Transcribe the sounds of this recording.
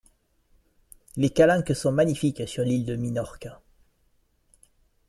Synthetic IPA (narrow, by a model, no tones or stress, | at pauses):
lekalɛ̃kəsɔ̃maɲifiksyʁlild̪əminɔʁk